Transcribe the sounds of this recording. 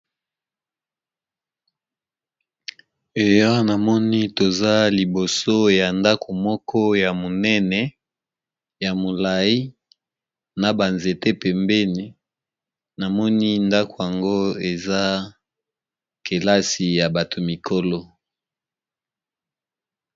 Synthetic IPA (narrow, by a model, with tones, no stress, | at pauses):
e˨jɔ˦na˨mɔ˦ni˦to˨za˦li˨bo˨so˦ja˨nda˦kʰo˨mɔ˦kʰɔ˦ja˨mo˨nɛ˦nɛ˨ | ja˨mo˨la˨i˦ | na˨ba˨nze˨te˦pɛ˨mbɛ˦ni˨ | na˨mɔ˦ni˦nda˦ko˨ja˨ŋɡo˦e˨za˦ | ke˨la˦si˨ja˨ba˨tʰo˨mi˨kʰo˦lɔ˦